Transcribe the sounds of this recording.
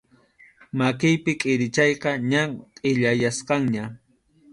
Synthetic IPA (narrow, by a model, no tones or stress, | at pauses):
makɪjpɪkʼɪɾɪt͡ʃɑjqɑɲaqʼɪʎajasqɑŋɲa